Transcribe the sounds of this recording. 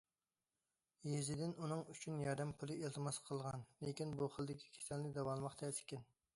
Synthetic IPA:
jezɪd̪ɪnunɨŋyt͡ʃʰynjɑɾd̪ɨmpʰulˠɨelˠt̪ʰɨmɑsqʰəlˠʁɑnlɪkʲinbuχəlˠd̪ɪkʲʰi̥kʲʰe̥sɛnlɪd̪ɑwɑlˠmɑχt̪ʰɛsɪ̥kʲɛn

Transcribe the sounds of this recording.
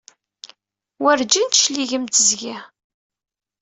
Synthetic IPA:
wəɾd͡ʒint̪ʃliʝəmt̪əzɡi

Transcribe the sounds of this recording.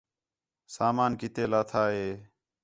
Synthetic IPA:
saːmaːnkɪt̪eːlaːt̪ʰaːɦeː

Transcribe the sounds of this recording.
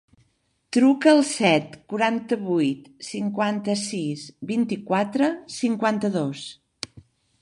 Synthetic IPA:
t̪ɾukəːlˠsɛt̪kuɾant̪əβujt̪siŋkwant̪əsizbint̪ikwat̪ɾəsiŋkwant̪əðos

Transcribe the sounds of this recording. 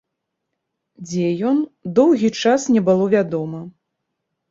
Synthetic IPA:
d͡zʲɛjɔnd̪ɔwɣʲit͡ʂasnʲɛbɨlˠɔvʲad̪ɔmɐ

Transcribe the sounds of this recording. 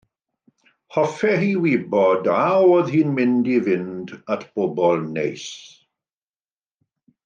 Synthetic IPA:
hɔfɛɦiwibɔdawoðhiːnmɪndivɪndatʰb̥ɔbɔlˠnejs

